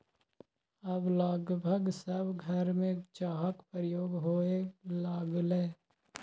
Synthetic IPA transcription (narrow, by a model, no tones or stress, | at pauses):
əblaːɡbʱəɡsəbɡʱəɾmẽt͡ʃaːɦəkpɾəjoːɡɦoːelaːɡleː